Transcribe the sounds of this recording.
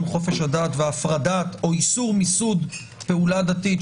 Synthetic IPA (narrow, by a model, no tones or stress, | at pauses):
mχo̞fe̞ʃhadatveafʁadato̞isuʁmisud | pe̞uladatit